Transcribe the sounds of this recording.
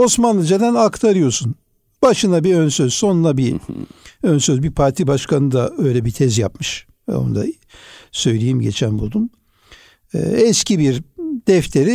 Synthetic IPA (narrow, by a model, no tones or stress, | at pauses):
o̞smanlˠɯd͡ʒad̪ænakt̪ʰaɾɯjo̞sun | baʃɯnabiønsøz̥so̞nunabi | ønsøzbipʰaɾt̪ʰibaʃkʰanɯd̪aø̞jlʲɛbit̪ʰɛzjapmɯʃ | ɛ̰o̰nud̪a̰ | sø̞jlʲejimɟe̞̰t͡ʃʰænbud̪um | ɛ̰ːɛscibiɾd̪ɛft̪ʰe̞ɾi